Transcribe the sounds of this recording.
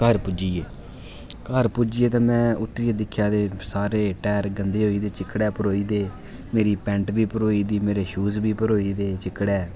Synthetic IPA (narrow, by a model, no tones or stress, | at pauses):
kəɾpʊd͡ʒiːeː | kəɾpuːd͡ʒiːeːt̪ãːmɛ̃ːʊt̪ːɾiːeːd̪ɪkʰːjaːd̪eːsaːɾeːʈɛːɾɡənd̪eːɦoːiːd̪eːt͡ʃɪkːɽɛːpəɾoːiːd̪eː | meːɾiːpɛ̃ːɳʈbiːpəɾoːiːd̪iːmeːɾeːʃuːzbiːpəɾoːiːd̪eːt͡ʃɪkːɽɛː